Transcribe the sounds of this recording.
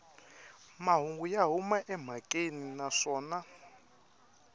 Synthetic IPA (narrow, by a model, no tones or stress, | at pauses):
maɦuŋɡujaɦumaʔɛm̤akʼeninaʂɔːna